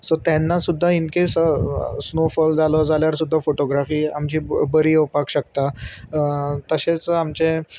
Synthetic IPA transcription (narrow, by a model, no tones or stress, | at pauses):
sot̪jɛnːasud̪ʱːainkesəsnofəld͡zalod͡zaljaɾsud̪ʱːafoʈoɡɾafiːamt͡ɕiːbəɾiːopakɕəkt̪a | t̪əɕet͡samt͡ɕẽ